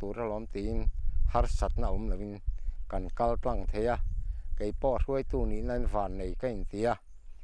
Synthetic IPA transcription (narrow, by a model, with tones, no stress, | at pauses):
t̪u˨˦ɾa˧lɔ˨˦mt̪i˨˦nha˦˧rsa˨˩t̪̚na˧˨u˨˧˦mla˨i˧˨nka˨nka˧lta˧˨ŋt̪ʰe˧˦a˧ke˨˦jpɔ˧˨ɾu˧˦ə˦jt̪u˧˨ni˧˨na˧˦nvaː˨nːe˨˩jka˥˧˨n̩˨t̪i˨˦a˧˨